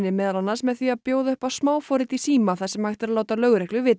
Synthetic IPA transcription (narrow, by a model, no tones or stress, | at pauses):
nɪmɛːðalanːasmɛðθiapjoːwðœhpasmaːwfɔːɾɪt̪isiːmaθaðsɛmajht̪ɪɾalaːwt̪alœːɣɾɛhklʏvɪt̪